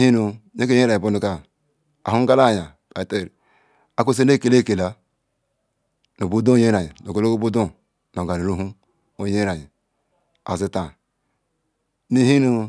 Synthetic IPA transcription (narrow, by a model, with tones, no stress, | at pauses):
hi˦nu˨je˦ke˦e˦ɾa˨i˨o˦nu˨ka˦ | a̰˨hu˦ɡa˦la˦˨ja˨ | ka˨te˦˨ɾi˨ | a˨ko˦s̬e˦ne˦˨ke˨le˦˨ke˨la˨ | no˨bu˦do˦je˦ɾa˨ji˨no˨ɡo˦lo˦ko˦bu˦do˦ | no˨ɡa˨ɾi˨ɾu˦ɦu˦ | o˦je˦ɾa˨ji˨ | a̰˨zi˦ta˨ | ni˦hi˦nu˨